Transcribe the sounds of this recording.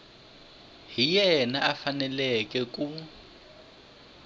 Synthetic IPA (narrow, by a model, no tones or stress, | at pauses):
ɦijɛnaʔafanɛlɛkʼɛk̬ʼu